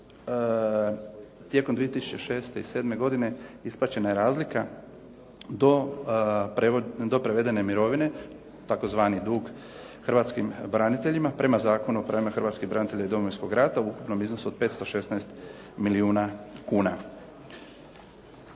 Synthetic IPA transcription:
t̪je̞komd̪ʋiet̪isu̥t͡ɕeʃe̞ːst̪e̞iseːd̪me̞ɡo̞d̪ine̞isplˠaːt͡ɕe̞najeɾaːzlika | d̪o | d̪o̞pɾeʋe̞d̪e̞ne̞miɾo̞ʋine̞ | t̪ako̞zʋaːnid̪uːɡ | xr̩ʋaːt̪skimbɾanit̪e̞ʎimapɾe̞mazaːko̞nuopɾaʋimaxr̩ɾʋaːt̪skiɦbɾanit̪e̞ʎaid̪o̞moʋinsko̞ɡɾat̪auukupno̞mizno̞suod̪̚pe̞ːt̪st̪o̞ʃe̞snaest̪ | miliuːnakuːna

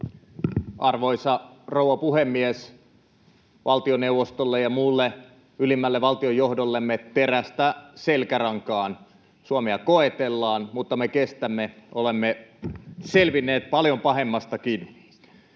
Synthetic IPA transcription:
ʔɑrʋoisɑrouwʋɑpuhemːies | ʋʔɑlt̪ionewʋost̪olːejɑmuːlːe | ylimːælːeʋɑlt̪iojːohdolːemːet̪eræst̪æselkærɑŋkɑːn | suɑmeɑkoet̪elːɑːnmut̪ːɑmekest̪æmːeʔolemːe | selʋinːeːt̪̚pɑljompɑɦemːɑst̪ɑkin

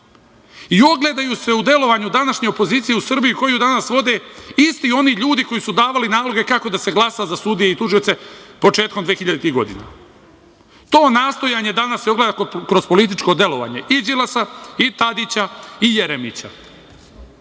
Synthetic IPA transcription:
io̞ɡled̪ajuse̞ud̪e̞lo̞ʋaːɲud̪anaʃɲe̞opo̞ziːt̪sije̞usr̩bijuko̞jud̪anasʋo̞d̪e̞ist̪io̞niʎuːd̪iko̞jisud̪aːʋalinaːlo̞ɡe̞kako̞d̪ase̞ɡlˠasazasud̪ijeit̪uʒiot̪se̞po̞t͡ʃe̞ːt̪komd̪ʋexiʎad̪et̪iɡo̞̰d̪ḭna̰ | t̪o̞ːnaːst̪o̞jaɲe̞d̪anaseo̞ɡled̪akɾo̞zpo̞lit̪̬it͡ʃko̞d̪e̞lo̞ʋa̰ːɲe̞ʔid͡ʒilˠasait̪ad̪it͡ɕaijeɾemḭt͡ɕa̰

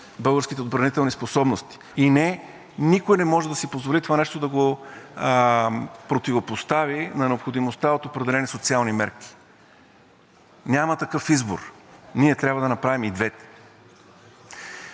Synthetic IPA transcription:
bɤlˠɡəɾskʲit̪ɛod̪bɾɐnit̪ɛlˠnisposɔbnost̪i̥ːnɛ | nikojnɛmɔʒɛd̪ɐsipozvolit̪ovanɛʃt̪od̪ɐɡo | pɾot̪ivopost̪avinɐnɛopxod̪imost̪aot̪opɾɛd̪ɛlɛnisot̪sialˠnimɛɾki̥ | nʲamɐt̪ɐkɤfizbo̰ɾ | niɛt̪ɾʲabvəd̪ɐnɐpɾavimid̪vɛt̪ɛ̥

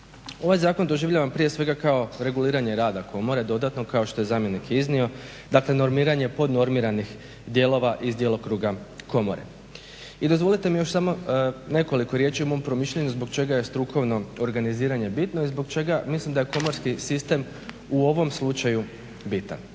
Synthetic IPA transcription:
o̞ʋajzaːko̞nd̪o̞ʒiʋʎʲaʋampɾije̞sʋe̞ɡakao̞ɾe̞ɡuliːɾaɲe̞ɾaːd̪ako̞mo̞ɾe̞d̪o̞d̪at̪no̞kao̞ʃt̪o̞je̞zaːmje̞nikiznio̞ | d̪akle̞no̞ɾmiːɾaɲe̞po̞d̪no̞ɾmiɾanix | d̪je̞ːlˠo̞ʋaʔizd̪jelˠo̞kɾuːɡako̞mo̞̰ɾe̞̰ | id̪o̞zʋo̞lˠit̪e̞mijo̞ʃsamo̞ne̞ko̞liko̞ɾje̞t͡ʃiumo̞mpɾo̞miʃʎeɲuzbo̞kt͡ʃe̞ɡajest̪ɾuko̞ʋno̞oɾɡaniziːɾaɲe̞bit̪no̞izbo̞ɡt͡ʃe̞ɡamislimd̪ajeko̞mo̞ɾskisist̪e̞m | uo̞ʋo̞mslˠut͡ʃaju | bit̪a̰n

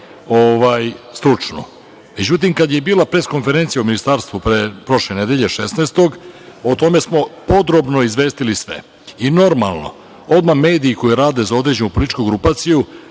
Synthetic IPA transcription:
oʋaːjst̪ɾut͡ʂno | me̞d͡ʑut̪̬imkad̪je̞biːlˠapɾe̞sko̞nfeɾent̪ijauminist̪aːɾst̪ʋupɾepɾo̞ʃlened̪eʎeʃesnest̪o̞ɡot̪o̞me̞smo̞po̞d̪ɾo̞bno̞izʋe̞ːst̪ilisʋḛ | ino̞ɾma̰lˠno̞̰ | o̞d̪mame̞ːd̪iːko̞jiɾaːd̪e̞zao̞d̪ɾe̞d͡ʑenupo̞litt͡ʃkuɡɾupaːt̪siju

